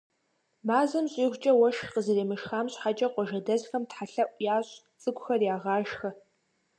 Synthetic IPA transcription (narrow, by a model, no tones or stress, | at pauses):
maːzɐmɕʼiːxʷt͡ʃʼɐwɐʃqəzɨreːmɨʃxaːmɕħat͡ʃʼɐqʷɔʒɐdɐzxɐmtħaɬɐʔʷjaːɕʼ | t͡sʼɨkʷʼʊxɐrjaːʁɑːʒxɐ